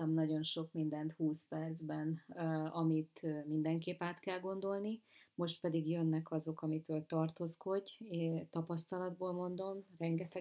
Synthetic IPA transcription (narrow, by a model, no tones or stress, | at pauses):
ɒmnɒɟo̞nʃo̞kmind̪ɛnt̪huːspɛrd̪zbɛnɒmit̪ømind̪ɛŋkeːpaːt̪kɛlɡo̞nd̪o̞lnimo̞ʃt̪̚pɛd̪iɡjønːɛkɒzo̞kɒmit̪øːlt̪ɒrt̪oːsko̞ɟːt̪ɒpɒst̪ɒlɒd̪boːlmo̞nd̪o̞mrɛŋɡɛt̪ɛ